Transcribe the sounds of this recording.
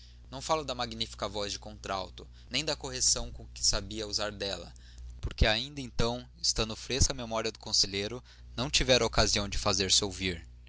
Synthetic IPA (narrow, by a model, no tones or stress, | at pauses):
nɐ̃w̃falʊd̪ɐmaɡnifi̥kɐvɔzd͡ʒɪkõnt̪ɾa̰wt̪ʊ | nẽj̃d̪ɐkoɦesɐ̃w̃kõkɪ̥sabiɐuzaɾd̪ɛlɐ̰ | poɾkeaĩnd̪ɐẽnt̪ɐ̃w̃ | ɪst̪ɐ̃nd̪ʊfɾeskɐmemɔɾiɐd̪ʊkõseʎeɾʊ | nɐ̃w̃t͡ʃivɛɾɐokaziɐ̃w̃d͡ʒɪfazeɾsɪowviɾ